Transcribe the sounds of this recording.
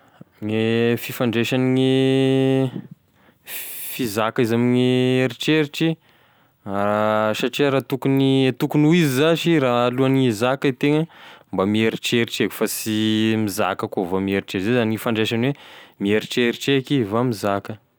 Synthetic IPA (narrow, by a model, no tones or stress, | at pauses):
ŋefifaɳɖ͡ʐeʃaniŋi | fizakaizamiɲieɾiʈ͡ʂeɾiʈ͡ʂi | aʃaʈ͡ʂiaɾat̪ukuniet̪ukunuizizaʃiraːluanizakət̪eŋəmbamieɾiʈ͡ʂeɾiʈ͡ʂeku̥fasimiza̰kəkovamieɾiʈ͡ʂeɾizezaniŋifaɳɖ͡ʐeʃanwemieɾiʈ͡ʂeɾiʈ͡ʂekivamizakə